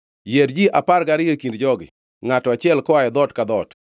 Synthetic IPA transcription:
jedd͡ʒiʔapaɾɡaɾɪjokindd͡ʒɔɡɪ̰ | ŋatɔat͡ʃɪɛlkɔajɛd̪ɔtkad̪ɔt

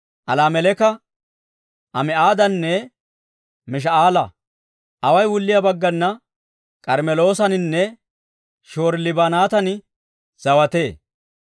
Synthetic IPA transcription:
ʔɐlaːmɛlɛkɐ | ʔɐmɛaːd̪ɐnːɛ | mɪʃ̬ɐaːlɐ | ʔɐwɐjwʊlːɪjɐbɐɡːɐnːɐ | kʼɐɾmɛlo̞ːsɐnɪnːɛ | ʃoːɾlɪbanaːt̪ɐn | z̥ɐwɐt̪e̞ː

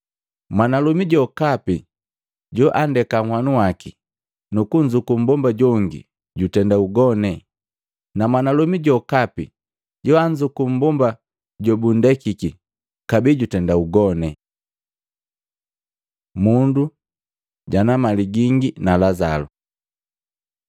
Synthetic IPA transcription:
mwanalumiɟɔkapi | ɟɔʔandɛkaŋhwanuwaki | nukuɲd͡ʒukum̩bɔmbaɟɔŋɡḭ | ɟutɛndauɡɔnɛ | namwanalumiɟɔkapi | ɟɔaɲd͡ʒukum̩bɔmba | ɟɔbundɛkiki | kabiːɟutɛndauɡɔnɛ | mundu | ɟanamaliɡiŋɡinalazalṵ

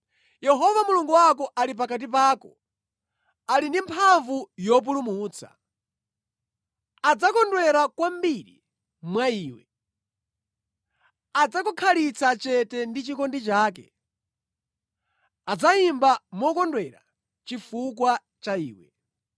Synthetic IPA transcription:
jɛɦɔvamuluŋɡuwakɔʔalip̬akat̬ipaːkɔ | alindimpʰaɱvujɔp̬ulumuːt͡sʰḁ̰ | ad͡zakɔndwɛɾakwambiɾḭ | mwaiːwɛ | ad͡zakɔkʰalit͡sat͡ʃɛtɛndit͡ʃikɔndit͡ʃaːkɛ̰ | ad͡zaimbamɔkɔndwɛɾa̰ | t͡ʃifukwa | t͡ʃaḭːwɛ̰

